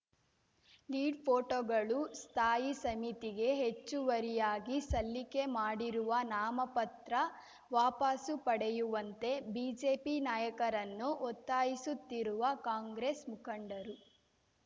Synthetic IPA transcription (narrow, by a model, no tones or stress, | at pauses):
liːɖpʰoːʈoːɡɐɭust̪ʰaːjisɐmit̪iɡe̞ɦet͡ʃːuʋɐɾijaːɡisɐlːike̞maːɽiɾuʋɐnaːmɐpɐt̪ɾɐ | ʋaːpasupɐɽejuʋɐnt̪e̞biːd͡ʒeːpinaːjɐkɐɾɐnːuʔɔt̪ːaːjisut̪ːiɾuʋɐkaːŋɡɾesmukʰɐɳɖɐɾu